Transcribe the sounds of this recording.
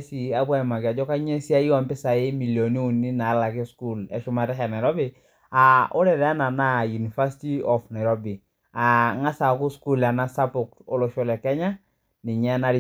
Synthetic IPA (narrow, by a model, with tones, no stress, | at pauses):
si˨a˦bwa˦ɪ˨ma˨kɪ˨a˨d͡ʒɔ˦ka˦ɲe˦si˦a˦i˦ɔ˨mpɪ˦sa˨ɪ˦mi˨ljo˨ni˦u˨ni˦na˨˦la˨kɪ˦sku˦lɛ̰˨ʃʊ˦ma˨tɛ˦kɛ˨na˨ɾɔ˦bɪ˦ | a˨o˦ɾɛ˨ɾa˦na˨na˦ju˨ni˨fa˦si̥˦ti˦ɔ˨fna˨ɾɔ˦bi˨ | a˨ŋa˦sa˨kʊ˦sku˦la˨na˦sa˦pʊ˨k̚o˦lo˨ʃo˦lɛ˨kɛ˦ɲa˦ | nɪ˨ɲɛ˦na˦ɾi˦